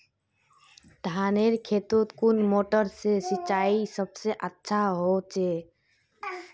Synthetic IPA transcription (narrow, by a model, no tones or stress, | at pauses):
d̪ʱaːneɾkʰeːt̪ut̪kunmoːʈəɾsesɪt͡ʃaːisəbseʔətːʃʰaɦot͡ʃe